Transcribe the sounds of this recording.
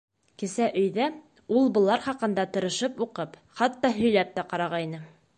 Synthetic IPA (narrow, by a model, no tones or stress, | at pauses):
kɘ̆sæʔɵ̆jðæ | ulˠbɤ̆lˠɑɾχɑqɤ̆nd̪ɑt̪ɤ̆ɾɤ̆ʃɤpuqɤpχɑt̪ːɑɦɵ̆jlæp̚t̪æqɑɾɑʁɑjinɤ